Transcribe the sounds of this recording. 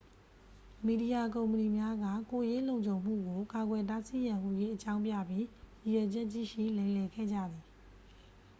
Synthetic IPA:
mi˨di˨ja˨kõ˨mpəni˨mja˦ɡä̰˦˨ko˨je˦lõ˨ɲt͡ɕʰõ˨ʊ̃m̥ṵ˦˨ɡo˨ka˨ɡwɛ˨t̬a˦sḭ˦˨jã˨mṵ˦˨je˦ʔət͡ɕã˦ʊ̃mpjä̰˦˨bji˦ji˨jɛ˨d͡ʑɛ˦ʔt͡ɕːḭ˦˨ʃḭ˦˨lã˨ɪ̃lɛ˨ɡʰɛ̰˦˨d͡ʑä̰˦˨d̪ði˨

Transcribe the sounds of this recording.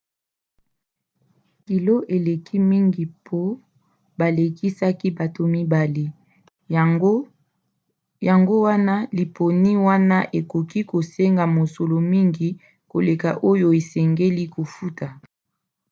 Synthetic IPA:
ki˨lo˦ʔe˨le˨kʰi˦mi˦ŋɡi˨pʰo˦ | ba˨le˨ki˦sa˦ki˦ba˨to˨mi˦ba˨li˦ | ja˨ŋɡo˦wa˦na˦li˨pʰo˨ni˦wa˦na˦ʔe˨ko˨ki˦ko˨se˦ŋɡa˨mo˨so˨lo˨mi˦ŋɡi˨ | ko˨le˨ka˨ʔo˦jo˨e˨sɛ˨ŋɡe˦li˦ko˨fu˦tʰa˨

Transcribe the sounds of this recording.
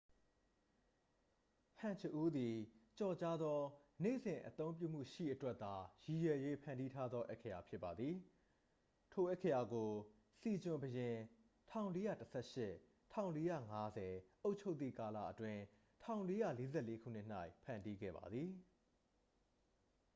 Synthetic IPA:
hʰã˨ɲt͡ɕʰə˦ʔu˦d̪i˨t͡ɕɔ˨t͡ɕa˦d̪ðɔ˦nḛ˦˨zɪ̃˨ʔət̪õ˦ʊ̃mp̬jṵ˦˨m̥ṵ˦˨ʃḭ˦˨ʔətwɛ˦ʔ̪t̪a˨ji˨jɛ˨je˦pʰã˨ndi˦tʰa˦d̪ðɔ˦ʔɛ˦ʔkʰja˨pʰjɪ˦pːa˨d̪ði˨ | tʰo˨ʔɛ˦ʔkʰːə˨ja˨ɡo˨ | si˨d͡ʑʊ̃˨mbəjɪ̃˨ | tʰã˦˨ʊ̃le˦jä̰˦˨təsʰɛ̰˦ʃɪ˦ | tʰã˦˨ʊ̃le˦jä̰˦˨ŋa˦zɛ˨ʔo˦ʊʔt͡ɕʰo˦ʊt̪θḭ˦˨ka˨la̰˦˨ʔətwɪ̃˦ | tʰã˦˨ʊ̃le˦ja̰˦˨le˦zɛ̰˦˨le˦kʰṵ˦˨n̥ɪ˦ʔn̥a˦˨ɪʔpʰã̰˨ndi˦ɡɛ̰˦˨ba̰˨d̪ði˨

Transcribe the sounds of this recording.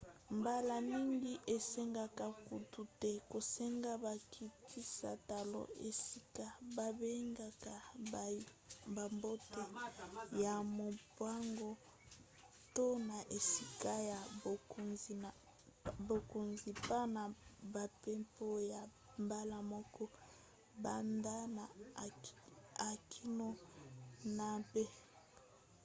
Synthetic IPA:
mba˦la˨mi˦ŋɡi˦ʔe˨sɛ˦ŋɡa˨ka˨ku˨tu˨tɛ˦ko˨sɛ˦ŋɡa˦ba˨kʰi˦tʰi˦sa̰˨ta˨lo̰˨e˨si˦ka˦ba˨be˦ŋɡa˨ka˨ | ba˨mbo˦te˦ja˨mo˨pwa˦ŋɡo˦ | to˦na˨ʔe˨si˦ka˦ja˨ | bo˨ko˨nzi˨pa˦na˨ba˨pɛ˦mpo˦ja˨ | mba˦la˨mɔ˦kɔ˦ | ba˨nda˦n˨ | a˨kʰi˦no˦ | na˨pe˦

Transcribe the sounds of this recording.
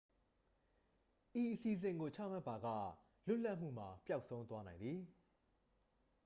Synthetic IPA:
ʔi˨ʔəsi˨zɪ̃˨ŋɡo˨t͡ɕʰä̰˦˨m̥a˦˨pːa˨ɡä̰˦˨ | lʊ˦ʔla˦ʔm̥ṵ˦˨m̥a˨pja˦ʊʔsʰõ˦ʊ̃nt̪wa˦nã˨ɪ̃nd̪ði˨

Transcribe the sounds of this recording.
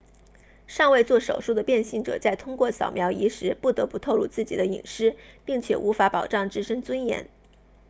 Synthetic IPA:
ʂɑ˥˧ŋwe˥˧ɪt͡swɔ˥˩ʂo˨˩ʊʂu˥˩d̪ə˩pjɛ˥˧nɕi˥˩ŋʈ͡ʂɤ̰˨˩t͡sa˥˩ɪt̪ʰʊ˥ŋkwɔ˥˩sjɑ˨˩ʊmjɑ˧˥ʊi˧˥ʂɻ̩˧˥pu˥˩t̪ɤ˧˥pu˧˥t̪ʰo˥˧ʊlu˥˧t͡sɹ̩˥˩t͡ɕḭ˨˩d̪ə˦ḭ˨˩ŋʂɻ̩˥pi˥˩ŋt͡ɕʰjɛ̰˨˩ʔu˧˥fa˧˥pɑ˨˩ʊʈ͡ʂɑ˥˩ŋʈ͡ʂɻ̩˥ʂə˥ŋt͡swə˥njɛ̰˧˥n

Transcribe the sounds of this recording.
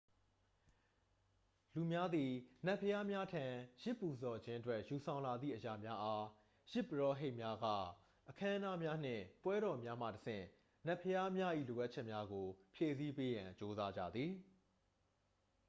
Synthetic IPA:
lu˨mja˦d̪ði˨nɛ˦˨pʰːəja˦mja˦tʰã˨jɪ˦pːu˨zɔ˨d͡ʑɪ̃˦ʔətwɛ˦ʔju˨sʰã˨ʊ̃la˨d̪ðḭ˦˨ʔəja˨mja˦ʔa˦ | jɪ˦pːəɹɔ˦ɦe˦ɪʔmja˦ɡa̰˦˨ | ʔəkʰã˦ʔə̃na˦mja˦n̥ɪ̰̃˦˨pwɛ˦ɾɔ˨mja˦mä̰˦˨təsʰɪ̰̃˦˨ | nɛ˦˨pʰəja˦mja˦ʔḭ˦˨lo˨ʔa˦t̚t͡ɕʰɛ˦ʔmja˦ɡo˨pʰje˨si˦pe˦jã˨t͡ɕo˦za˦d͡ʑa̰˦˨d̪ði˨

